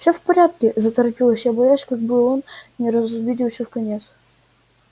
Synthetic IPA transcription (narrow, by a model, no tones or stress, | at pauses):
fsʲofpɐɾʲat̪̚kʲɪzət̪ɐɾɐpʲilˠəsʲjabɐjasʲkaɡ̚bɨlˠonnʲɪɾəzvʲidʲɪlʲˠsʲəfkɐnʲet̪s